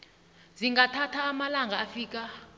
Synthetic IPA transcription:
ziŋɡatʰatʰaːmalaŋɡʱaːfiːk̬ʼa

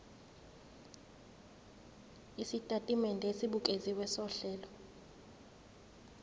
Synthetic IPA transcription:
isitʼatʼimɛndʱesiɓukʼeziwɛsɔɬɛːlɔ

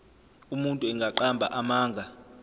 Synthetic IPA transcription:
umuntʼuɛŋɡʱaǃambʱa̰ʔamaːŋɡʱa

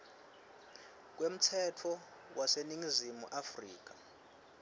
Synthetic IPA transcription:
k̬wem̩tʰɛtʰɔ | wʔaseniŋizimṵʔafriːk̬ḁ

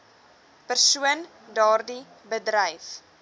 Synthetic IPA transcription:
pərsuən | dɑːrdi | bədɾɛjf

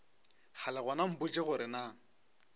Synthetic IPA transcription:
χʰalɪɣwɔnam̩bʊt͡ʃʼɪχʊɾɪna

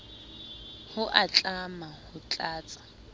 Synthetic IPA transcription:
hʊʔat͡ɬʼamahʊt͡ɬʼaːt͡sʼḁ

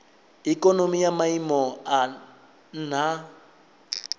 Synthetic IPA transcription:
ikʼɔnomijamaimɔa | n̩n̤a

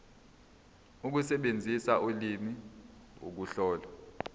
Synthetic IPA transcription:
uk̬usɛɓend͡zʱisaulimiṵk̬uɬɔːla

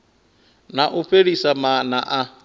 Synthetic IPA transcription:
naʔuɸeɺisamanaʔa

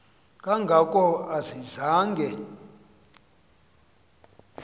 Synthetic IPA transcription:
kʼaŋɡʱakʼɔazizaːŋɡʱɛ

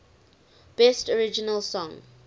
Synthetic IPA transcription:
b̥ɛstɔɹɪd͡ʒɪnəlˠsɔ̃ŋ

